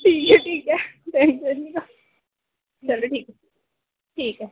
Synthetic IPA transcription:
ʈʰiːkɦɛʈʰiːkɦɛt̪ʰɛ̃ːŋkeika | t͡ʃɐloʈʰiːkɦɛ | ʈʰiːkɦɛː

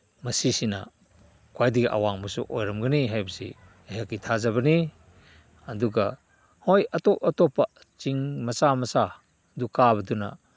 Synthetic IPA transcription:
mɐsisinɐ̰ | kwajdiɡiʔa̰waŋmusṵʔojɾɐmɡɐniɦajbɐsḭ | eɦakːitʰazabɐni | ɐduɡɐ | hojɐtɔp̚ɐtɔpːɐ | t͡ʃiŋmɐsamɐsa | dukabɐdunɐ̰

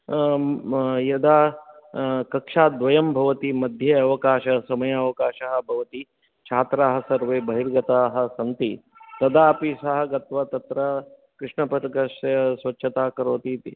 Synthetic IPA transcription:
jɐd̪aː | kɐkʂaːd̪ʋɐjɐmbʱɐʋɐt̪imɐd̪ʱjɐɐʋɐkaːʃɐsɐmɐjɐːʋɐkaːʃɐɦɐ̆bʱɐʋɐt̪i | t͡ʃʰaːt̪ɾaːɦɐ̆sɐɾʋeːbʱɐɦiɾɡɐt̪aːɦɐ̆sɐnt̪i | t̪ɐd̪aːpisɐɦɐ̆ɡɐt̪ʋɐt̪ɐt̪ɾɐ | kɾɪʂɳɐpɐt̪ɐkɐʃɐɐsʋɐtːt͡ʃʰʃʰɐt̪aːkɐɾoːt̪it̪i

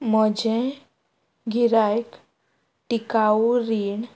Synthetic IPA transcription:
mɔd͡ʒẽ | ɡʱiɾajk | ʈikauɾiːɳ

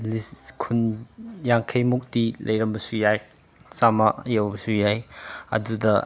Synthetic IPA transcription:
liskʰunjaŋkʰɐjmuk̚dilɐjɾɐmbɐsujaj | samɐjawbɐsujajɐ̰dudɐ

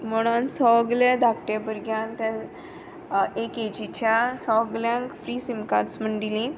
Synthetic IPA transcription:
məɽ̃ãnsɔəɡljad̪ʱakʈabəɾɡjãnt̪ja | eked͡ʑit͡ɕjasɔəɡljãŋkfɾiːsimkãt͡sməɳɖ̪ilĩ

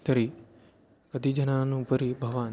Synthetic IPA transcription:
t̪ɐɾiː | kɐd̪ʱiːd͡ʒɐnãnũːpəɾibʱɐʋaːn

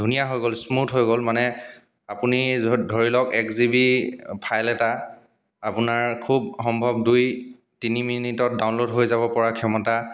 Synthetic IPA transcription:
dʱunijaɦojɡolsmutɦojɡolmanɛ | apunidʱoɹilɔkɛkzibipʰajlɛta | apʊnaɹkʰubxɔmbʱɔb̚duj | tiniminitɔt̚daʊnlodɦojzaβɔpɔɹakʰɛmɔta

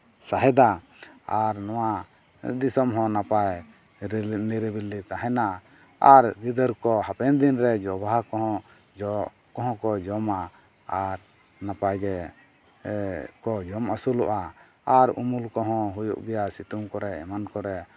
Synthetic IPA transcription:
saɦɛd̪a | aɾnɔwa | d̪isɔmɦɔ̃napaj | niɾibilːit̪aɦɛna | aɾɡid̪əɾkɔɦapɛnd̪inɾɛd͡ʒɔbakɔɦɔ̃ | kɔɦɔ̃kɔd͡ʒɔma | aɾ | napajɡɛ | kɔd͡ʒɔmasuluʔaː | ɾṵmulkɔɦɔ̃ɦujṵʔbɛjasit̪umkɔɾɛɛmankɔɾɛ

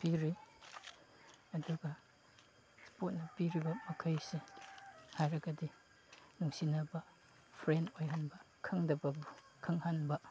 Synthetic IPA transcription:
piɾi | ɐduɡɐ | spot̚nɐpiɾibɐmɐkʰɐjse | hajɾɐɡɐdi | nuŋsinɐbɐ | pʰɾentojɦanbɐ | kʰɐŋdɐbɐb | kʰɐŋhanbɐ

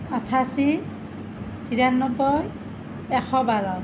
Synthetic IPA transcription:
ɔtʰasi | tiɹanːɔbɔj | ɛxɔbaɹɔ

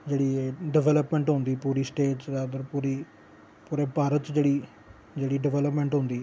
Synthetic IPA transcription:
d͡ʒeːɽiːɖɪʋɛləpmɛ̃ːɳʈɦõnd̪iːpuːɾiːsʈeːʈsɾaːd̪əɾpuːɾiː | puːɾeːpaːɾət̪d͡ʒeːɽiː | d͡ʒeːɽiːɖɪʋɛːləpmɛ̃ːɳʈɦʊ̃nd̪iː

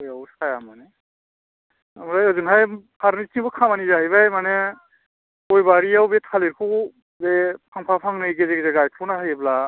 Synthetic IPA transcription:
ɔjawskajamanɛ | amɾajɔzunɦajpʰaɾnitʰiŋbɔkʰamanizaɦjβajmanɛ | ɔjbaɾiawbetʰaliɾkʰu | bɛpʰaŋpʰapʰaŋnɯjɡezeɡzɛɡajkʰlɔnaɦajebla

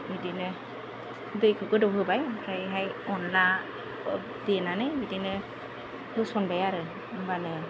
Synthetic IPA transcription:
bidinɯ | dɯjkʰɯkɯdɔɦɯbajhʰajɦajɔnla | dinanɯjbidinɯ | hɯsɔnbajaɾɯ | ɯŋbanɯ

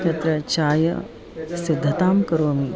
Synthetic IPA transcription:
kɐt̪ɾɐt͡ʃaːjɐ̰ | sɪd̪ʱːɐt̪aːmkɐɾoːmi

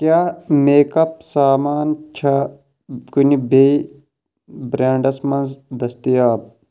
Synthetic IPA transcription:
kjaːmeːkɐp̚saːmaːnt͡ʃʰɐ | kunibei | bɾaːɳɖɐsmɐnzd̪ɐst̪ijaːb̚

